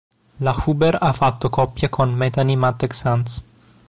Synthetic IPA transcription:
laxubeɾafat̪ːokɔpːjakʰonmɛt̪animat̪ːɛksans

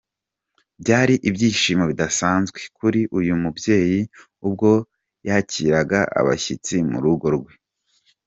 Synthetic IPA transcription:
bɟaːɾiʔibjiːʃiːmo̞βidasaːnzɡwe̞kuɾiʔujumubje̞ːji | ub̚ɡo̞ | jaciɾaɡaʔa̰βa̰çit͡simṵɾuɡo̞ɾɡwe

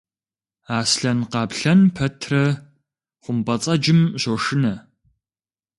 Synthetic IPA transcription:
aːsɬɐnqɑːpɬɐnpʰɐtʰrɐ | χʷʊmbɐt͡sʼɐd͡ʒɪmʑoʂɪnɐ

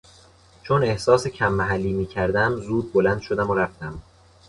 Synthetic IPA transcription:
t͡ʃʰone̞hsɒːsecʰæmːæɦælːiːmiːcʰæɾd̪æmzuːd̪̚bolænd̪ʃo̞d̪æmoɾæft̪æm

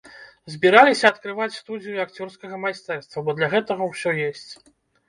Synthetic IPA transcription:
zʲbʲiɾalʲisʲɐɐt̪kɾɨvat͡sʲst̪ud̪ʲijuakt͡sʲɔrskɐɣɐmajst̪ɛrst̪vɐbɔd̪lʲɐɣɛt̪ɐɣɐwsʲɔjesʲt͡sʲ

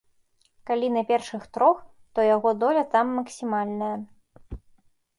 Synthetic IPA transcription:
kalʲinɐpʲɛrʂɨxt̪ɾɔx | t̪ɔjaɣɔd̪ɔlʲɐt̪amːɐksʲimalʲnɐjɐ

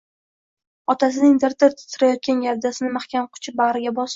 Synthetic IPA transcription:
ɒt̪ʰas̬ɪnɪŋt̪aɾt̪ʰɪɾt̪ʰɪ̥t̪ʰːɪɾajɒt̪̚kʲanjaɾd̪asɪnɪmaχkʲanqʰʊ̥t͡ʃʰɪbaʁɾɪɡʲabɒs

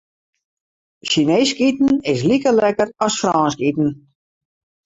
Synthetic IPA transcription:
ʃineːskitn̩ɪs̬likəlɛkərɔsfrɔːnskitn̩

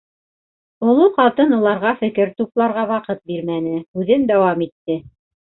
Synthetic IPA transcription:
ŏlˠoqɑlˠt̪ɤnŏlˠɑɾʁɑfɘ̆kɘɾt̪uplˠɑɾʁɑwɑqɤt̪̚biɾmænɘhʉðɘnd̪æwɑmit̪ːɘ

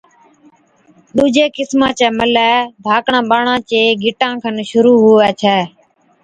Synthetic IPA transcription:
ɗuːd͡ʒeːkɪsmãːt͡ʃɛːməlɛːb̪ʱaːkɳãːɓaːɳãːt͡ʃeːɡʱɪʈãːkʰənʃʊɾuːɦʊːʋɛːt͡ʃʰɛː

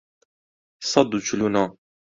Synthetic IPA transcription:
sˤɑd̪ut͡ʃulunɑ

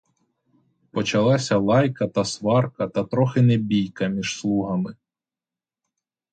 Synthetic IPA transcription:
pɔt͡ʃɐlˠɑsʲɐlˠɑjkɐt̪ɐsʋɑrkɐt̪ɐt̪ɾɔxɪnebʲijkɐmʲiʒ̥slˠuɦɐmɪ

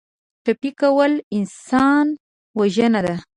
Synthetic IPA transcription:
ʈapikawəlɪnsɑn | waʒənad̪a

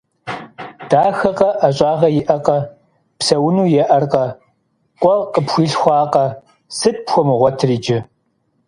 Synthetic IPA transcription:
d̥aːxɐqɐʔɐɕʼɑːʁɐjɪʔɐqɐ | psɐwʊnuːjɛʔɐrqɐ | kʷʼɔqʼəpxʷiːɬxʷɑːqɐ | sɨt̚pxʷɔmɨʁʷɔtʰriːd͡ʒɪ

